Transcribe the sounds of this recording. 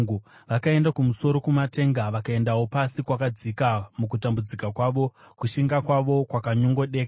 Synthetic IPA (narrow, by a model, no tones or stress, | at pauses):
ŋɡuʋakae̞ndakumuso̞ɾo̞kumate̞ŋɡaʋakae̞ndawo̞pasikwakad͡zikamukutambud͡zikakwaʋo̞kuʃiŋɡakwaʋo̞kwakaɲoŋɡo̞ɗe̞ːka